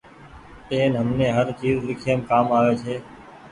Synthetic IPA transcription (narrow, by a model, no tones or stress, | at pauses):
t̪eːnɦəmnẽːɦəɾt͡ʃiːzlɪkʰijəmkaːmaːʋeːt͡ʃʰeː